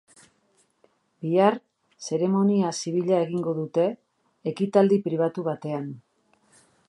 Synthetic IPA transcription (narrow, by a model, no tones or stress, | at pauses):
biar | se̞ɾe̞mo̞niasiβ̞iʎae̞ɣ̞iŋɡo̞ðut̪e̞ː | kit̪ald̪ipɾiβ̞at̪uβat̪e̞an